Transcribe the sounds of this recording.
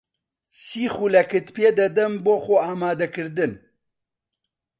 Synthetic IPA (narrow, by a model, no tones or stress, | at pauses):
siːxulɐkɨt̪peːd̪ɐd̪ɐmboːxoaːmaːd̪ɐkɨɾd̪ɨn